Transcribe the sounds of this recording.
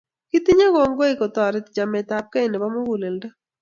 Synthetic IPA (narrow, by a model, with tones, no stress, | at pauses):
ki˦t̪i˦ɲa˦ɡɔ˨ŋɡo˦ɪ˦˨kɔ˨t̪ɔ˨ɾɪ˨˦td͡ʒa˨mɛ˨ta˨p̚ka˦i˨ne˨ba˦mo˦ɡu˨le˨lda˦